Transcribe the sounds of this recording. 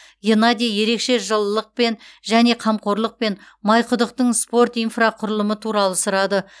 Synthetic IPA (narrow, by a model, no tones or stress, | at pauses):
jenad̪ʲejje̞ɾe̞kʃe̞ʒəlˠːəq̚pe̞nʒæne̞qʰɑmqo̞ɾlˠəq̚pe̞n | mɑjqʰʊd̪əq̚t̪əɴspo̞rt̪ijnfraqʰʊɾəlˠəmət̪ʰuɾɑlˠəsʊɾɑd̪ə